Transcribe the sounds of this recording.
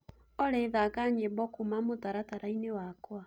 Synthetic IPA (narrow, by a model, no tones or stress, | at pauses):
ɔɾeðakaɲebɔkumamotaɾataɾainewakwa